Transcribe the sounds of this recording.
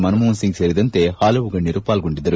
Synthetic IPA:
mɐnɯmuːnsɪŋɡsɛɾɪðɐnt̪eːhaːlɐʋʊɣɐɭnɪɾɯpːaːlkʊɳɖɪðɐɾɯ

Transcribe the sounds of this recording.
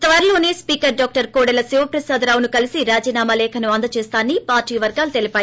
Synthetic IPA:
t̪ɐʋɐɾlo̞ːne̞ːspiːkɐɾɖɔːk̚ʈɐɾkoːɽɐlɐsiʋɐpɾɐsaːd̪ɾaːwunukɐlisiɾaːd͡ʒiːnaːmalɛːkʰɐnuɐnd̪ɐt͡ʃeːst̪aːnːipaːɾʈiːɐʋɐɾɡaːlut̪elipaːji

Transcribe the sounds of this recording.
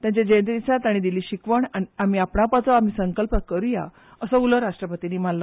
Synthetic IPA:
t̪jãɲt͡ɕed͡ʑənt̪ɾit͡sat̪aɽ̃id̪iliːɕikʋəɳaniam̤iapɳapat͡sɔam̤iːsəŋkəlpəkəɾuja̰ | əsəuləɾaʂʈɾəpət̪iniːm̤allə

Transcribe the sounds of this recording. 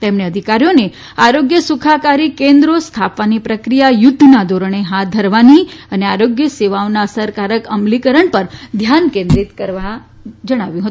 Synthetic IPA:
t̪emɳeəd̪ʱikaɾjone | aɾoɡjəsukʰakaɾikẽnd̪ɾost̪ʰapʋanipɾəkɾijajʊd̪ʱːnad̪ʱoɾəɳ̃eɦat̪̚d̪ʱəɾʋaniəneaɾoɡjəseʋaonaəsəɾkaɾəkəmlikəɾəɳpəɾd̪ʱjankẽnd̪ɾit̪kəɾʋa | d͡ʒəɽ̃aʋjũɦət̪ũ

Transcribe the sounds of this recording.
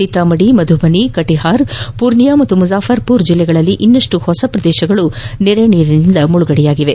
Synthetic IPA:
it̪ɐmɐɽimɐd̪ʱubʱɐnikɐʈiɦaːɾpuɾnijaːmɐt̪ːumuzaːfʰɐɾpuːɾd͡ʒilːɛɡɐɭɐlːiʔinːɐʂʈuhɔsɐpɾɐd̪ɛːʃɐɡɐɭunɛɾeniːɾinind̪ɐmuɭuɡɐɽɛjaːɡiʋe̞

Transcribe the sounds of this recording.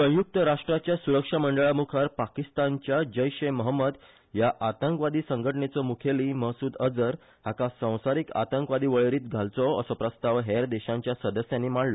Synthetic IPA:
sə̃juk̚t̪əɾaʂʈɾat͡ɕjasuɾəkʂaməɳɖəɭamukʰaɾpakist̪aɲt͡ɕjad͡ʑəjɕeməɦəmːəd̪ | jaʔat̪əŋkʋad̪iːsəŋɡʱəʈɳet͡sɔmukʰeliːməɦsuːd̪əd͡zəɾ | hakasə̃w̃saɾiːka̰t̪əŋkʋad̪iːʋəɭeɾiːt̪̚ɡʱalt͡sɔəsɔpɾəst̪aʋɦɛɾd̪ɛɕãɲt͡ɕjasəd̪əsjanːimaɽlɔ

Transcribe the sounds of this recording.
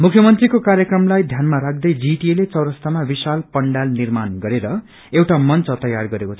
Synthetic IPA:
mukʰjʌmʌnt̪rikokaɾjʌkrʌmlajd̪ʱjanmaɾak̚ʰd̪ʌjd͡ziʈielet͡sʌwɾʌst̪amabisalpʌɳɖalnirmanɡʌɾeɾʌ | ewʈamʌnt͡sʌt̪ʌjarɡʌɾekot͡sʰʌ

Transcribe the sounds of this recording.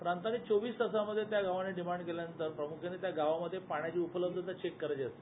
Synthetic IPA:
pɾant̪aniːt͡soʋiːsd̪əsaməd̪ʱːjet̪jaɡaʋaneɖimaɳɖkeljanənt̪əɾpɾəmukʰenet̪jaɡaʋaməd̪ʱjepaɳ̃jat͡ɕiːupələb̚d̪ʱət̪ət͡ɕekːəɾat͡ɕeəst̪e

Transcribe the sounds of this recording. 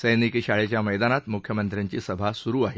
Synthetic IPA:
səjnikɕaɭet͡ɕjaməjd̪anat̪mukʰjəmənt̪ɾjaɲt͡ɕiːsəbʱasuɾuːaɦe

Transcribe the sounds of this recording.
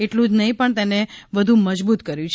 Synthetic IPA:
eʈlũd͡ʒnəɦĩpəɳt̪eneʋəd̪ʱũməd͡ʒbut̪kəɾjũt͡ʃʰ

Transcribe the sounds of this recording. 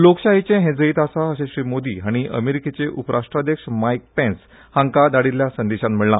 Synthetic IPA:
lokɕaɦit͡ɕẽɦẽd͡zəiːt̪asaəɕẽɕɾiːmod̪iɦaɽ̃iʔə̰meɾiket͡seʔupəɾʔaʂʈɾad̪jəkʂəmajk̚pẽns | hãŋkad̪aɽiljasənd̪eɕat̪m̤iɭla̰

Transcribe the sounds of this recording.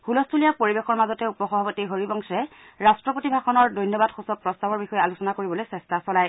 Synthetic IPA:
hulɔstʰulijapoɹibexɔɹmazɔtɛupɔxɔbʱabɔtiɦoɹibɔŋsɛ | ɹastɹɔpotibʱaxɔnɔɹdɔjnjɔbadxusɔk̚pɹɔstabɔɹbixɔjɛalusɔnakoɹibɔlojsɛstasɔlaj

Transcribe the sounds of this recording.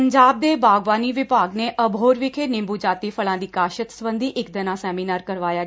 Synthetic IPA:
əɲd͡ʒaːb̚d̪ebʱaːɡʋaːniʋɪbʱaɡneʔəbʱoːɾʋɪkʰenɪ̃mbud͡ʒaːt̪ifəɭãd̪ikaːʃət̪sʋə̃nd̪ʱiʔekd̪ənasɛːminaɾkəɾʋaːja

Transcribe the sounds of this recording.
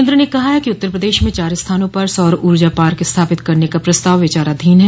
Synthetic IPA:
nd̪ɾənekɐɦaɦɛkiʊt̪ːəɾpɾəd̪eːʃmẽt͡ʃaːɾɪst̪ʰaːnõpɐɾsɔːɾuːɾd͡ʒapaːɾkɪst̪ʰaːpɪt̪kɐɾnekapɾɐst̪aːʋʋɪt͡ʃaːɾaːd̪ʱiːnɦɛ

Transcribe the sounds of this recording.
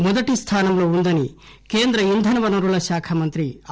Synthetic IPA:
mud̪ɐʈist̪ʰaːnɐmloːund̪ɐni | keːnd̪ɾɐind̪ʱɐnɐʋɐnɐɾuɭɐʃaːkʰɐmɐnt̪ɾi

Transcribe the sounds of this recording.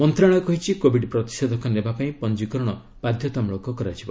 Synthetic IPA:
mɔnt̪ɾaɽ̃ɔkɔɦit͡ʃʰikobʱiɖpɾɔt̪i̥sɔd̪ɔkɔnebapaĩpɔnd͡ʒikɔɾɔɽ̃ɔ | b̥ad̪ʱjɔt̪ɔmɭokɔkɔɾat͡ʃʰibɔ

